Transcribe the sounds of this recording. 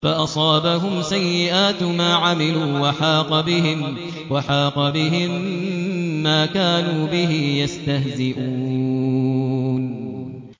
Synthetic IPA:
faʔɑsˤɑːbaɦʊmsajːɪʔaːt̪maːʕamɪluːwaħɑːqɑbɪɦɪm | waħɑːqɑbɪɦɪmː | aːkaːnuːbɪɦɪjast̪ahzɪʔuː | n

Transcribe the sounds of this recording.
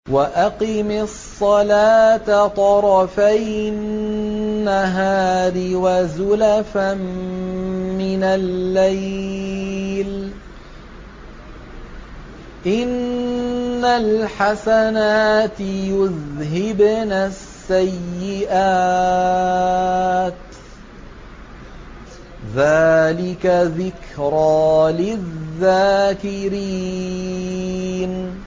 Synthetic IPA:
waʔaqɪmɪsˤːɑlaːt̪at̪ˤɑɾˤɑfaj | nːaɦaːɾɪwazʊlafam | mɪnalːaj | l | ʔɪnː | alħasanaːt̪jʊðɦɪbnasːajːɪʔaː | t̪ | ðaːlɪkaðɪkɾaːlɪðːaːkɪɾi | n

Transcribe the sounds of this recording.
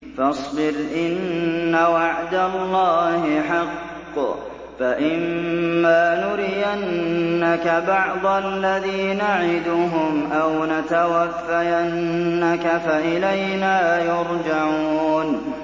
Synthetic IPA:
fɑsˤbɪɾʔɪnːawaʕd̪alːɑːhɪħɑqː | faʔɪmːaːnʊɾɪjanːakabɑʕd̪ˤɑlːaðiːnaʕɪd̪ʊɦʊmʔawnat̪awafːajanːakafaʔɪlajnaːjʊɾd͡ʒaʕuuːn

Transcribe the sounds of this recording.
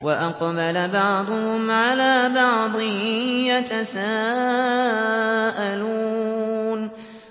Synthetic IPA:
waʔɑqbalabɑʕd̪ˤʊhʊmʕalaːbɑʕd̪ˤɨjat̪asaː | ʔalu | n

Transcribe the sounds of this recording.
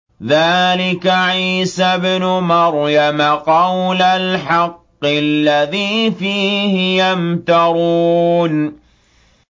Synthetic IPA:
ðaːlɪkaʕiːsabnʊmɑɾjamaqɑwlalħɑqːɪlːaðiːfiːhɪjamt̪ɑɾˤuːn

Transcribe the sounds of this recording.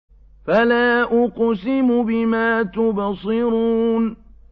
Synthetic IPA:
falaːʔʊqsɪmʊbɪmaːt̪ʊbsˤɪɾuːn

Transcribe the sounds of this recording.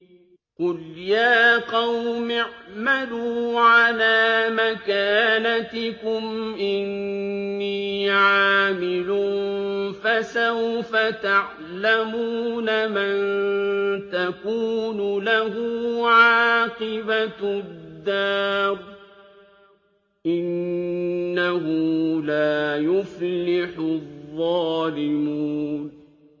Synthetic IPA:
qʊljaːqɑwmɪʕmaluːʕalaːmakaːnat̪ɪkʊmʔɪnː | iːʕaːmɪlʊnfasawfat̪aʕ | lamuːnamann | t̪akuːnʊlahʊʕʕaːqɨbad̪ːaːɾ | ʔɪnː | ahʊlaːjʊflɪħʊðˤːɑːlɪmuːn

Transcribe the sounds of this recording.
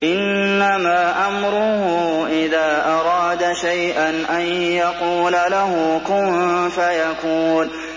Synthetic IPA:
ʔɪnːamaːʔamɾʊhʊʔɪðaːʔɑɾˤɑːd̪aʃajʔanʔanjɑquːlalahʊkʊmfajakuːl

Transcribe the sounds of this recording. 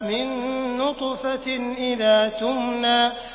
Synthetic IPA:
mɪnːʊt̪ˤfaʔɪðaːt̪ʊmnaː

